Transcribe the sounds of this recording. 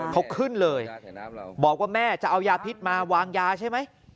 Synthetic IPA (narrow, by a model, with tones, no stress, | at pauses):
kʰa˦˥wkʰɯ˥˩nlɤː˧jbɔː˨˩k̚waː˥˩mɛː˥˩t͡ɕa˨˩ʔa˧wjaː˧pʰi˦˥t̪̚maː˧waː˧ŋjaː˧t͡ɕʰa˥˩jma˦˥j